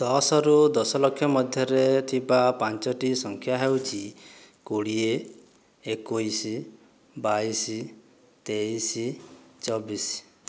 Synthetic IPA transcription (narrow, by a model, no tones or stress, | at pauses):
d̪̥ɔsɔɾud̪ɔsɔlɔkʰːjɔmɔd̪ʱjɔɾet̪ʰibapant͡ʃɔʈisɔŋkʰjaɦewt͡ʃʰi | kuɽie | ekuisi | baisi | t̪eisit͡ʃɔbisi̥